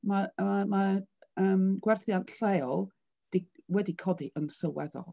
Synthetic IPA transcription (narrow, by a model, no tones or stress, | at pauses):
maamaəːmɡ̥wɛrθjantɬeɔlˠ | d̥iwɛdikʰɔdiʔənsəwɛðɔ̰lˠ